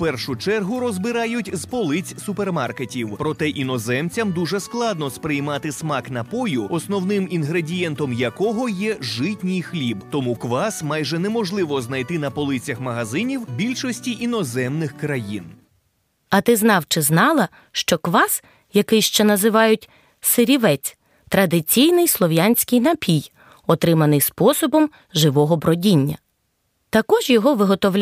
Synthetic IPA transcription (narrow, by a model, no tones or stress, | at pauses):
pɛrʃʊt͡ʃɛrɦʊɾɔzbɪɾɑjʊtʲzpɔlˠɪt͡sʲsʊpermɑrketʲiwpɾɔt̪ɛʔinɔzɛmt͡sʲɐmd̪uʒɛsklˠɑd̪nɔspɾɪjmɑt̪ɪsmɑknɐpɔjʊɔsnɔwnɪminɦɾedʲijɛnt̪ɔmjɐkɔɦɔjɛʒɪtʲnʲijxlʲibt̪ɔmukʋɑsmɑjʒɛnɛmɔʒlˠɪʋɔznɐjt̪ɪnɐpɔlˠɪt͡sʲɐxmɐɦɐzɪnʲiwbʲilʲʃɔsʲtʲiʔinɔzɛmnɪxkɾɐjin | ɐt̪ɪznɑwt͡ʃɪznɑlˠɐ | ʃt͡ʃɔkʋɑs | jɐkɪjʃt͡ʃɛnɐzɪʋɑjʊtʲ | sɪɾʲiʋɛt͡sʲ | t̪ɾɐd̪ɪt͡sʲijnɪjslˠɔʋʲjanʲsʲkɪjnɐpʲij | ɔt̪ɾɪmɐnɪjspɔsɔbɔm | ʒɪʋɔɦɔbɾɔdʲinʲːɐ̰ | t̪ɐkɔʒjɔɦɔʋɪɦɔt̪ɔʋlʲ